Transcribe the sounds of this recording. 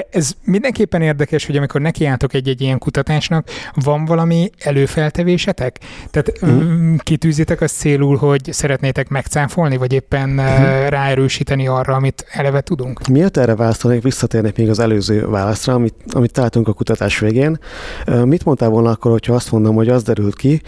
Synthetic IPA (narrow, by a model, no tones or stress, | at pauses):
ɛzmind̪ɛŋkeːpːɛneːrd̪ɛkɛʃho̞ɟɒmiko̞rnɛkiaːlt̪okɛɟːɛɟːijɛŋkut̪ɒt̪aːʃnɒkvɒɱvɒlɒmiɛløːfɛlt̪ɛveːʃɛt̪ɛkt̪aːt̪ː | kit̪yːzeːt̪ɛkɒst̪seːluːlɦo̞ɟsɛɾɛt̪neːt̪ɛkmɛkt̪saːfo̞lnivɒɟeːpːɛnraːɛɾøːʃiːt̪ɛniɒrːɒɒmit̪ɛlɛvɛt̪ud̪uŋkmiet̪ɛːɾɛvaːlɒst̪onekʋisːɒt̪eːrnɛkmeːɡɒzɛløːzø̰ːvaːlɒsrɒmiɒ̰mit̪ːɒlaːlt̪uŋkɒkut̪ɒt̪aːʃʋeːɡeːnmit̪mont̪aːvo̞lnɒɒkːorho̞cʰhɒɒst̪mond̪omho̞ɟɒzd̪ɛɾylt̪ki